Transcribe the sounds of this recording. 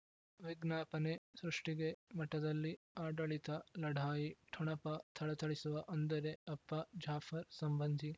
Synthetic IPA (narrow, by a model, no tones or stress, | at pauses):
ʋiɡnaːpɐnesɾuʂʈiɡemɐʈɐd̪ɐlːi | aːɖɐɭit̪ɐlɐɽʱaːjiʈʰɐɳɐpɐt̪ʰɐɭɐt̪ʰɐɭisuʋɐʔɐnd̪ɐɾeɐpːɐd͡ʒʱaːpʰɐɾsɐmbɐnd̪ʱi